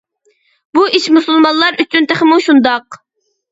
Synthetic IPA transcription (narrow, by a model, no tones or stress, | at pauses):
buʔiʃmusulˠmɑnlˠɑɾyt͡ʃʰynt̪eχmuʃund̪ɑq